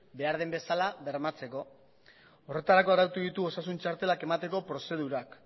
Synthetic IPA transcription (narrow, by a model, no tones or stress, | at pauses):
be̞aɾð̞embe̞salaβe̞ɾmat͡se̞ko̞ | ore̞t̪aɾako̞aɾawt̪uðit̪uo̞sasunt͡ʃaɾt̪e̞lake̞mat̪e̞ko̞pɾo̞se̞ð̞uɾak